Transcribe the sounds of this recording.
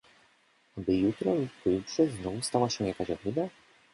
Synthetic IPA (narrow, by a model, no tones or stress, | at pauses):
abɘjut̪ɾɔipɔjutʂɛznɔvust̪awaɕɛw̃jakaɕɔvid̪a